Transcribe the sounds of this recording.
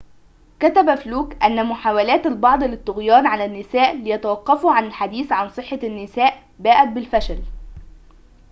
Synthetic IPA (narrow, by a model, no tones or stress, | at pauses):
kæt̪æbæfluːkʔænːæmʊħaːwælæːt̪albɑʕd̪ˤlɪt̪ˤːʊɣjɑːnʕalænːɪsæːʔlɪjæt̪æwɑqːɑfuʕanɪlħad̪iːθʕansˤɨħːɑnːɪsæːʔ | bæːʔæt̪̚bɪlfæʃæl